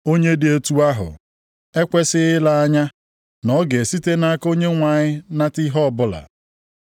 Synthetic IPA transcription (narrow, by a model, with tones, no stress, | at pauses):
o˦ɲe˦dɪ˨e˦tu˦a˦ɦʊ̰˨ | e˦kʷe˦sɪ˦ɣɪ˦la˦a˦ɲa˦ | nɔ˦ɡe˨si˦te˦na˦a˦ko˦ɲe˦ŋʷa˨ɲɪ˦na˦ti˦ɦɔ˦ɔ˦˨bʊ˦la̰˨